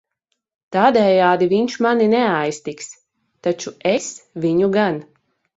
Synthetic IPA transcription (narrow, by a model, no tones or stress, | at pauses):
t̪aːd̪ɛjaːd̪iviɲʃmaninɛajst̪iks | t̪at͡ʃuesviɲuɡan